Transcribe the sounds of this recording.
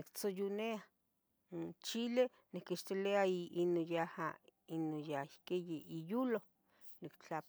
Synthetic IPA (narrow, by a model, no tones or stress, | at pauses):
nikt͡sojunea | nt͡ʃile | nikiʃt̪ileaiinojahainojaihkejeʔijulo | nikt͡ɬap